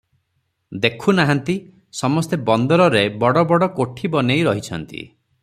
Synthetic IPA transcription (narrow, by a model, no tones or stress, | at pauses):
d̪ekʰunaɦant̪i | sɔmɔst̪ebɔnd̪ɔɾɔɾebɔɽɔbɔɽɔkoʈʰibɔnejɾɔɦit͡ʃʰɔnt̪ḭ